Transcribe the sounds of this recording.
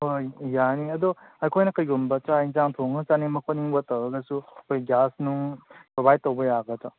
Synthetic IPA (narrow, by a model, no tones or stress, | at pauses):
ojjaniɐdɔɐjkʰojnɐkɐjɡumbɐt͡ʃaizaŋtʰoŋɐt͡ʃanimɐkʰoniŋbɐtɐwɾɐɡɐsuɐkʰojɡʲasnupɾobajd̚tːɐwbɐjaɡɐta